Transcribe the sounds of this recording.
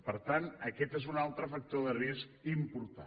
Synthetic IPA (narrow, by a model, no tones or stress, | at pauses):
pəɾt̪anəkɛt̪ezunalˠt̪ɾəfək̚t̪oðəriskimpuɾt̪a̰